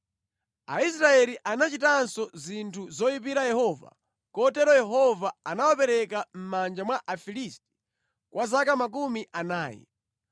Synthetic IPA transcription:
a̰isɾaɛliʔanat͡ʃitansɔzintʰuzɔjipiɾajɛhɔva̰ | kɔtɛɾɔjɛɦɔvaanawapɛɾɛkam̩mand͡ʒamwaʔafilisti̥ | kwʔazakamak̬umiʔanaːjɛ̰

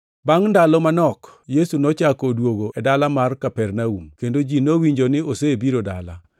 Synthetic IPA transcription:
baŋndalɔmanɔkjesunɔt͡ʃakodwoɡoʔɛdalamarkapɛrnaumkendod͡ʒinowiɲd͡ʒonɪosebiɾoda̰la̰

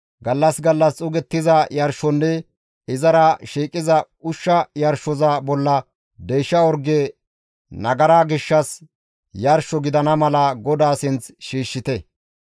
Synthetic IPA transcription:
ɡɐlːɐsɡɐlːɐst͡sʼʊɡɛt̪ːɪzɐjɐɾʃɔnːɛ | ɪzɐɾɐʃiːkʼːɪzɐ | ʊʃːɐjɐɾʃɔzɐbɔlːɐ | d̪ejʃːɐɔɾɡe | nɐɡɐɾaːɡɪʃːɐs | jɐɾʃɔɡɪd̪ɐnɐmɐlɐɡɔd̪aːsɪnt͡sʃiːʃːɪt̪ɛ

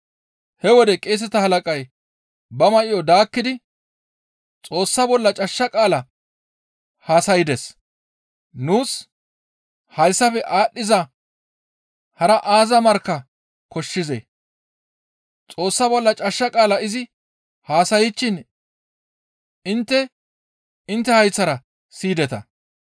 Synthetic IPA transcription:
hɛwɔd̪ɛkʼeːs̬ɛt̪ɐhɐlɐkʼɐj | bɐmɐʔɪjɔd̪aːkːɪd̪ɪ | t͡sʼo̞ːsːɐbɔlːɐt͡ʃʼɐʃːɐkʼaːlɐ | haːsɐjɪd̪ɛs | nuːs | hɐjsːɐfɛʔaːɗːɪzɐ | hɐɾɐʔaːzɐmɐɾkːɐ | kɔʃːɪzḛ | t͡sʼo̞ːsːɐbɔlːɐt͡ʃʼɐʃːɐkʼaːlɐɪzɪ | haːsɐjɪt͡ʃːɪn | ɪnt̪ːɛ | ɪnt̪ːɛhɐjt͡sːɐɾɐ | siːd̪ɛt̪ɐ̰

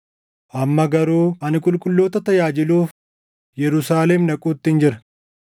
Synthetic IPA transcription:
ʔɐmːɐɡɐɾuːɐnɪkʼʊlkʼʊlːoːt̪ɐt̪ɐjaːd͡ʒɪluːf | jɛɾʊsaːlɛmnɐkʼuːt̪ːɪɪnd͡ʒɪɾɐ̥

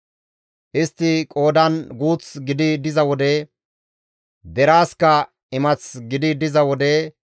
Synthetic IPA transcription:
ʔɪst̪ːɪkʼo̞ːd̪ɐnɡuːt͡sɡɪd̪ɪd̪ɪzɐwɔd̪ɛ | d̪ɛɾaːskɐ | ɪmɐt͡sɡɪd̪ɪd̪ɪzɐwɔd̪ɛ

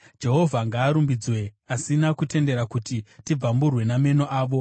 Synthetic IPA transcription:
d͡ʒe̞ɦo̞vʱaŋɡaːɾumbid͡zwe̞ | asinakute̞nde̞ɾakutitib͡vamburwe̞name̞noʔaːʋo̞

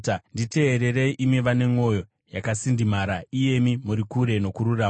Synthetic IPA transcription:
ndite̞ːɾere̞iʔimweʋane̞ŋo̞jo̞ | jakasindimaɾaije̞mimuɾikuɾe̞no̞kuɾuraːm

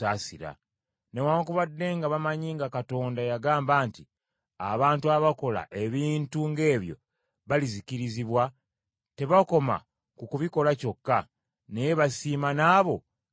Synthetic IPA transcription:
aːsiɾa̰ | ne̞waːŋkuβadːe̞ːŋɡaβamaɲiːŋɡakato̞ːndajaɡaːmbaːnti | aβaːntuaβako̞la̰ʔe̞βiːntuŋɡe̞ːβjo̞̰ | βaliziciɾiziβwa | te̞βako̞ma̰ | kukuβiko̞laco̞kːa | ne̞je̞βasiːmanaːβo̞

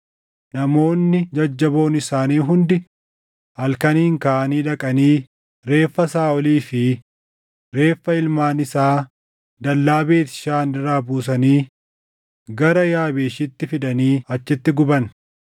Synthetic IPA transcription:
nɐmo̞ːnːɪd͡ʒɐd͡ʒːɐbo̞ːnɪsaːniːɦʊnd̪ɪ | hɐlkɐniːŋkaːʔɐniːᶑɐkʼɐniː | ɾe̞ːfːɐsaːʔɔliːfɪ | ɾe̞ːfːɐɪlmaːnɪsaː | d̪ɐlːaːbe̞ːt̪ɪ̥ʃaːnɪɾaːbuːs̬ɐniː | ɡɐɾɐjaːbeːʃɪt̪ːɪfɪd̪ɐniːɐt͡ʃːɪt̪ːɪɡʊbɐn

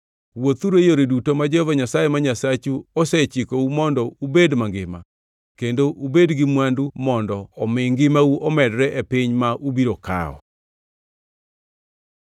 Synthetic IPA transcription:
wot̪uɾejoɾedutomad͡ʒɛhɔvaɲasajɛmaɲasat͡ʃuɔsɛt͡ʃikoumɔndɔubedmaŋɡɪma̰ | kendoʔubedɡɪmwandumɔndɔːmɪŋɡɪmauʔɔmɛdɾɛʔepɪɲmaʔubiɾoka̰ɔ̰

